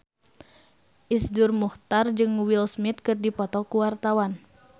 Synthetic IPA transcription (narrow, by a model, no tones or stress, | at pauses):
ʔisdurmuht̪ard͡ʒɨŋwilsmit̪̚kɨrdipɔt̪ɔkuwart̪awan